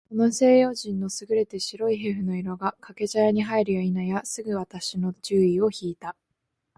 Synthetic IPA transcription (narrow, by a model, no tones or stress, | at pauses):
ko̞no̞se̞ːjo̞ːʑĩnːo̞sɨɡɯ̟ɾe̞t̪e̞ɕiɾo̞iɦe̞ɸɯ̟no̞iɾo̞ɡakʰake̞ʑajaɲ̟iɦaiɾɯ̟jainajasɨɡɯ̟βat̪aɕino̞t͡ɕɨːio̞çiːt̪a